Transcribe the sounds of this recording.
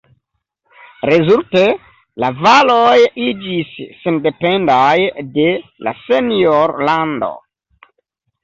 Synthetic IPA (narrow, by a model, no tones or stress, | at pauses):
ɾezulte | lavalojid͡ʒisːende̞pe̞ndajde̞la̰senioɾlando̞̰